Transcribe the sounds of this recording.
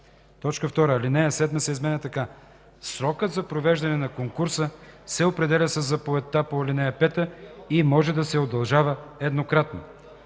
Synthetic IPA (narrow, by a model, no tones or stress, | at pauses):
t̪ɔt͡ʃkəft̪ɔɾəːlinɛjəsɛd̪məsɛizmɛnɛt̪ɐka | sɾɔkət̪zɐpɾovɛʒd̪ɐnɛnɐkoŋkuɾsəsɛopɾɛd̪ɛlʲɐsəzːɐpoɛt̪ːapolinɛjəpɛt̪əimɔʒɛd̪ɐsɛod̪ɐlˠʒavəɛd̪nokɾat̪no̰